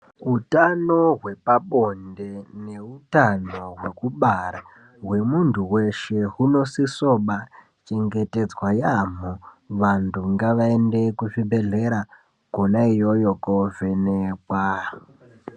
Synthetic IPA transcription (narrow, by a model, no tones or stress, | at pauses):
ɦutano̞ɦwe̞paɓo̞nde̞ne̞utano̞ɦwe̞kuɓaɾa | ɦwe̞muntʰuwe̞ʃe̞ɦuno̞siso̞ɓa | t͡ʃe̞ŋɡe̞te̞d͡zwajamo | ʋantʰuŋɡaʋaende̞kuʐibʱe̞ɮe̞ɾa | ɡ̥ʱonaijojo̞kove̞neːkwa